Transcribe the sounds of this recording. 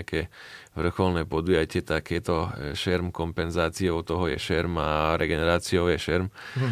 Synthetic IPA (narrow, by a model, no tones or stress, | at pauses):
akɛːʋr̩xɔlnɛːpɔd̪ujacɪɛt̪akjɛt̪ɔʃɛɾmkɔmpɛnzaːt͡siɔʊt̪ɔɦɔjɛ̰ʃɛɾmaɾɛɡɛnɛɾaːt͡siɔʊjɛʃɛɾm